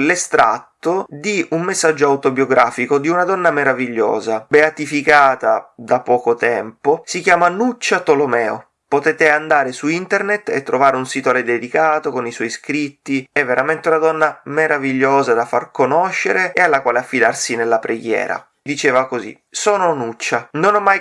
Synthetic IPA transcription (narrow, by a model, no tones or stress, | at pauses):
lest̪ɾa̰t̪ːod̪iummesːad͡ʒːoawt̪objoɡɾaːfikod̪iunad̪ɔnːameɾaviʎːo̰ːzabeat̪ifikaːt̪ad̪apɔːkot̪ɛmposikjaːmanut͡ʃːat̪olomɛːo̰ | pot̪ɛːt̪eand̪aːɾesuint̪ernet̪ːḛt̪ːɾovaːɾeunsit̪oaled̪ed̪ikaːt̪okoniswɔjskɾit̪ːiɛvːeɾament̪eunad̪ɔnːameɾaviʎːoːzad̪afarkonoʃːeɾeealːakwaːleafːid̪arsinelːapɾeɡjɛ̰ːɾa̰ | d̪it͡ʃeːvakozḭ | sɔːnonut͡ʃːanonɔmːaj